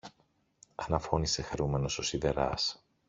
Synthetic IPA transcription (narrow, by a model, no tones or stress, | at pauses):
ɐnɐfo̞nise̞xeɾume̞no̞so̞siðe̞ɾɐ̰s